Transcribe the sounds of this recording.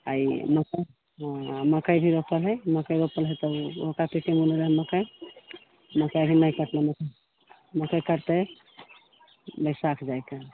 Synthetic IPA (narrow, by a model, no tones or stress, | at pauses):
a̰jməkə | məkəjbʱiɾopəlɦəjməkəjɾopəlɦəjt̪əokapiʈimunɾəɦməkəj | məkəjbʱinəjkəʈleməkə | məkəjkəɾt̪e | bəsakʰd͡ʒajka